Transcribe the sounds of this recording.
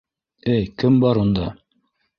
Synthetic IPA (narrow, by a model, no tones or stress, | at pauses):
ɘjkɘmbɑɾund̪ɑ